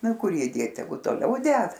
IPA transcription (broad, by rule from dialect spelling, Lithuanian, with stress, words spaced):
ˈnʊ ˈkʊr ˈjiː ˈdʲeːt tʲɛˈɡʊ toːˈlʲɛʊ ˈdʲɛt